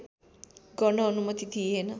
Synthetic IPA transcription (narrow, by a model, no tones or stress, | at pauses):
ɡʌnʌːnumʌt̪it̪ʰienʌ